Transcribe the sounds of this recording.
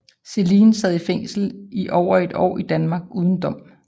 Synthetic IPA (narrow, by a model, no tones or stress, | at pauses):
se̝liːnsɛð̰ˠifeŋ̰sl̩iʔɒʊ̰ɐe̝d̥ɒ̰ːid̥ænmɑ̈ːɡ̥uːð̞ˠn̩d̥ɒ̽m̰